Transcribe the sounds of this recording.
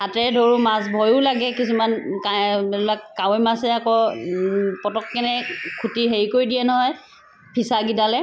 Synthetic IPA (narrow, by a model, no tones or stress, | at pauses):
atɛdʱoɹumas̬bʱɔjʊlaɡɛkisumankalluakːawɛmasɛakɔ | pɔtɔkːɛnɛkʰutiɦeɹikoɹidijɛnɔɦɔj | pʰisaɡidalɛ